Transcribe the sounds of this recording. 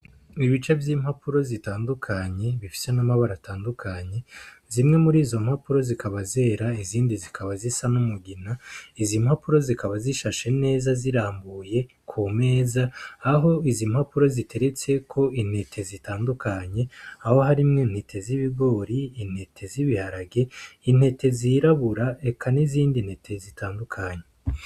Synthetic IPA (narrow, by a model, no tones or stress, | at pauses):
iβit͡ʃevjiːmhapuɾo̞zitaːndukʰaɲe̞βifi̥se̞namaβaɾataːndukʰaɲe̞zimŋe̞muɾiːzo̞m̥hapuɾo̞zikaβaze̞ːɾaiziːndizikʰaβazisanumuɡinaizim̥hapuɾo̞zikaβaziʃaʃe̞ne̞ːzaziɾaːmbuje̞ | kʰume̞ːzaːɦo̞izimhapuɾo̞zitʰe̞ɾe̞t͡se̞kʰo̞in̥he̞tʰe̞zitaːndukʰaɲe̞aho̞haɾimŋen̥he̞tʰe̞ziβiɡo̞ːɾiːn̥he̞tʰe̞ziβihaɾaɡe̞in̥he̞tʰe̞ziɾaβuɾae̞kʰaniziːndin̥he̞tʰe̞zitaːndukʰaɲe